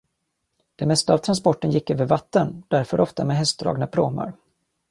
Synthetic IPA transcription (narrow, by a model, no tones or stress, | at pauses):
d̪̥ɛmɛst̪aaːvt̪ʰɾanspɔʈːənjɪkːøːvəɾvat̪ːənd̪̥æɾfœɾʔɔft̪ameɛːɦɛst̪d̪ɾɑ̰ːɡnapʰɾoːma̰ɾ